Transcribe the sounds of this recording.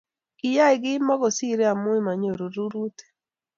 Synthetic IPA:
kɪ˨ja˦ɪ˨ɡɪ˦mɔ˦ɡɔ˨si˦ɾe˦a˨mʊ˦e˦ma˨ɲo˨ɾo˨ɾu˦ɾu˦te̥˨

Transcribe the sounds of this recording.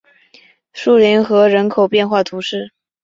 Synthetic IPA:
ʂu˥˩li˧˥nxɤ˧˥ɻə˧˥nkʰo˨˩ʊpjɛ˥˧nxwa˥˩t̪ʰu˧˥ʂɻ̩˥˩

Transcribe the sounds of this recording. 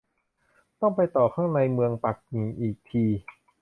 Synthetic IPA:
t̪ɔ˥˩ŋpa˧jt̪ɔː˨˩kʰaː˥˩ŋna˧jmɯ˧əŋpa˨˩k̚niː˨˩˦ʔiː˨˩k̚t̪ʰiː˧

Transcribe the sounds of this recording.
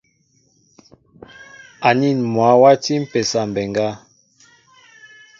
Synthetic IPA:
a˨ni˦˨nmwa˨˦wa˦ti˦m̩˦pɛ˨sa˨m˨bɛ˨ŋɡa˦

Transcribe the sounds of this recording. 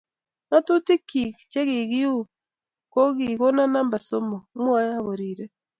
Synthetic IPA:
ŋa˦tu˦ti˦ki˨kt͡ʃe˦ɣi˨ɣi˦u˦ | ko˦ɣi˨ɣo˦na˦na˦mba˨so˦mo˨˦mwa˦ja˦˨βo˨ɾiː˨ɾe˦

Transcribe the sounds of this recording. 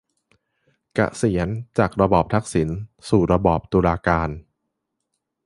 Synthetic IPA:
ka̰˨˩ʔsi˩˦ənt͡ɕaː˨˩k̚ɾa˧bɔː˨˩p̚t̪ʰa˦˥k̚si˩˦nsuː˨˩ɾa˧bɔː˨˩p̚t̪uː˧laː˧kaː˧n

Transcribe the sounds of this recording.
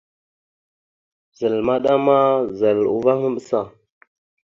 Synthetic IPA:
za˨lma˦ɗa˦ma˦za˨lṵ˦va˦mə˦ɓə˦sa˨

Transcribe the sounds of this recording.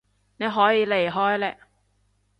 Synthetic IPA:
ne˨˧jɦɔː˨˥jiː˨˧le˨˩jɦɔː˥jlɛː˧k

